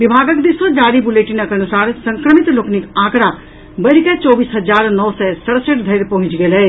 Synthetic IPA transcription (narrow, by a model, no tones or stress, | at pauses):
ʋɪbʱaːɡəkd̪isod͡ʒaːɾibuleːʈinɐkɐnusaːɾsɐ̃ŋkɾəmɪt̪lokʰnikãːkɽa | bɐɾikɐt͡ʃɔːbiːsɦɐd͡ʒaːɾnɔːsɛsɐɽsəʈd̪ʱɐɾpɐɦʊ̃t͡ʃɡɐːlɦɛeː